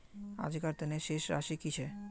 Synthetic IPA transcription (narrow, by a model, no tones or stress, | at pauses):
a̰d͡ʑikaɾt̪eneʃeʃɾa̰ʃikit͡ɕʰe